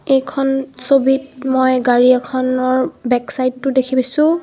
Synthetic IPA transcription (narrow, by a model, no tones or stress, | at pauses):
ejkʰɔnsobit̚mɔjɡaɹiɛkʰɔnɔɹbɛksajtːʊdekʰibisʊ̃